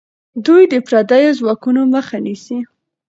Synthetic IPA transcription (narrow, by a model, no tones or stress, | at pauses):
d̪ujd̪əpɾad̪ajozwɑkunoməxanisi